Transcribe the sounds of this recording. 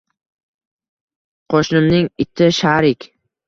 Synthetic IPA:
qʰoʃnɪmnɪŋɪt̪ʰːɪʃaɾɪkʲ

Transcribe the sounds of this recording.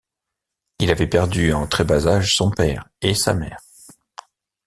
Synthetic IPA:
ilavɛpɛʁd̪yɑ̃t̪χebazaʒsɔ̃pɛʁesa̰mɛːʁ

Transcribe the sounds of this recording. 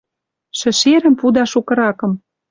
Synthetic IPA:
ʃɘ̆ʃeɾə̆mpud̪ɑʃukɤ̆ɾɑkɤ̆m

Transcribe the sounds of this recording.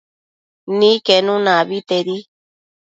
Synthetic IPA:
nĩkenũnãβit̪eɾi

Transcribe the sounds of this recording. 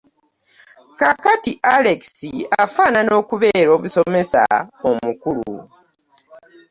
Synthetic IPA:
kakatiʔaleksiafaːnano̞ːkuβe̞ːɾo̞ːβuso̞me̞sa̰omukulṵ

